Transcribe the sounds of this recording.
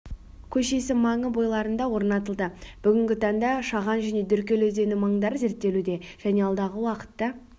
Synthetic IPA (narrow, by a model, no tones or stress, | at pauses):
kʲʰɵʃe̞sɪmɑɴəbo̞jlˠɑɾənd̪ɑwo̞ɾnɑt̪əlˠd̪əb̥ʏɡʲɪŋɡʲɪt̪ʰɑɴd̪ɑʃɑʁɑnʒæne̞d̪ʏɾkʲe̞lezd̪e̞nɪmɑɴd̪ɑɾze̞ɾt̪ːe̞lud̪e̞ʒ̥æne̞ɑlˠd̪ɑʁəwɑqə̥t̪ːɑ